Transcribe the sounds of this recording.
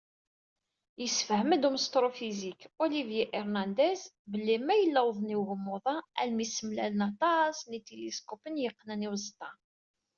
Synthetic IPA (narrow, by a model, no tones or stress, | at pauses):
jəsːfəhməd̪uməst̪ɾˤofizikolivjiʔiɾnænd̪æs | bəlːimæjəlːæwðˤniwɣəmːʊðˤɑælmisəmlælnɑt̪ˤɑsnit̪eliskopənjəqːnæniwzt̪ɑ